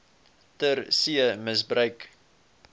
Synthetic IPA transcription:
tərsiəməsbrœɥk

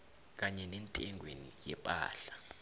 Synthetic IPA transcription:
k̬aɲɛnɛntʼɛŋʱwenḭjɛpʼa̰ːɬḁ

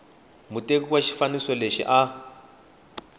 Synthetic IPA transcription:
mutʼek̬uwaʃi̥fanisɔleʃḭʔa

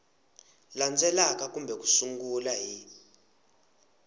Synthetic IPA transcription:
land͡zʱɛlak̬ʼak̬ʼumbʱɛk̬ʼu̥suŋɡulaɦi

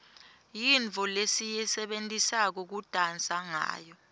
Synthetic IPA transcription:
jiɱʱɔlesijɛsɛɓentʼisak̬ɔk̬ud̥ʼʱant͡sʼaŋa̰ːjɔ

